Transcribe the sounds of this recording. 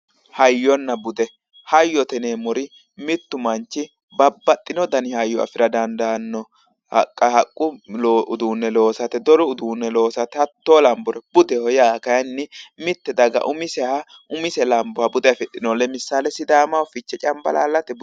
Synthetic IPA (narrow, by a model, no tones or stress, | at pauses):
hɐjːɔnːɐbʊd̪ɛ | hɐjːɔt̪ɛneːmɔɾɪ | mɪt̪ːʊmɐnt͡ʃːɪ | bɐbːɐt̪ʼːɪnɔd̪ɐnɪhajːɔa̰fɪɾɐd̪ɐnd̪aːnːɔ | hɐkʼːɐhɐkʼːʊʊd̪uːnːɛlo̞ːsɐt̪ɛd̪ɔɾɔʊd̪uːnːɛlo̞ːsɐt̪ɛɐt̪ːoːlɐmbʊɾɛb̥ʊd̪ɛhɔjakɐjɐnːɪmɪt̪ːɛd̪ɐɡɐ̰ʔʊmɪsɛa | ʊmɪsɛlɐmbɔabʊd̪ɛjfɛtʼːɪnɔlːɛmɪsːaːlɛsɪd̪aːmɐwfɪt͡ʃːɛt͡ʃʼɐmbɐ̰la̰ːlːɐt̪ɛbʊ